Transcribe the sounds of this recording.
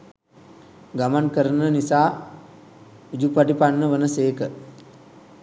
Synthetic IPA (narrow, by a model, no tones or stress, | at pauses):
ɡamankəɾənənisaː | ud͡ʒupaʈipanːəʋənəseːkə